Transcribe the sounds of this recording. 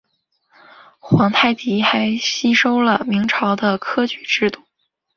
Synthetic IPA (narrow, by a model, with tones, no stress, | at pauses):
xwɑ˧˥ŋt̪ʰa˥˩ɪt͡ɕi˧˥xa˧˥ɪɕi˥ʂo˥ʊlə˨mi˧˥ŋʈ͡ʂʰɑ˧˥ʊd̪ə˧kʰɤ˥t͡ɕy˨˧˩ʈ͡ʂɻ̩˥˧t̪u˥˩